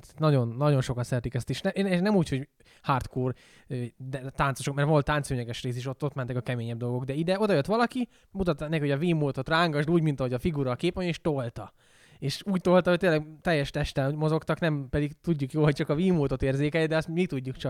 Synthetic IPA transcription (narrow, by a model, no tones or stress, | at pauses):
t̪t̪nɒɟo̞nːɒɟo̞nʃo̞kɒnsɛɾɛt̪ikɛst̪eʃnɛʃnɛmuːcho̞ɟ | haːrt̪koːr | ød̪ɛt̪aːnsoʃokmɛɾʋo̞lt̪ːaːnt̪søːɲɛɡɛʃreːs̬eːʃot̪ːo̞t̪mɛnt̪ɛkɒkɛmeːɲɛb̚d̪o̞lɡo̞ɡd̪ɛid̪ɛo̞d̪ɒjøt̪ʋɒlɒki | mut̪ɒt̪ːnɛkhoɟɒviːmːoːt̪o̞t̪raːŋɡɒʒluːɟmint̪ɒɦo̞ɟɒfiɡuɾɒkeːpʋojeːʃt̪o̞lt̪ɒ | eːʃuːc̚t̪olt̪ɒho̞ct̪eːlɛɡt̪ɛjːɛʃt̪ɛʃt̪ɛlmo̞zo̞kt̪ɒknɛmpɛd̪iɡt̪uɟːukjoːlhoct͡ʃɒkɒviːmːoːt̪o̞t̪eːrzeːkɛljɛd̪ɛɒst̪mit̪uɟːukt͡ʃɒ